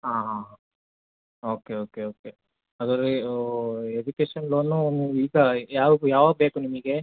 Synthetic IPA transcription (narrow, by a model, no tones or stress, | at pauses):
ɦaːɦã | oːkeoːkeoːke | ɐd̪ɐɾe | ed͡ʒukeːʃɐnloːnuniːʋuiːɡɐjaːʋɡujaːʋabeːkunimuɡe